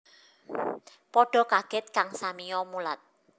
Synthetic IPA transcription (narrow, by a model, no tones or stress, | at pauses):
pɔɖ̥ɔ̤kaɡ̥ɛ̤t̪̚kaŋsamijɔmulat̪̚